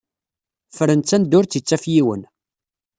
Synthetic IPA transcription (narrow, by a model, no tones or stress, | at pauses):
fɾənt͡s̪ːænd̪ʊɾt͡sit͡sːæfjiwə̰n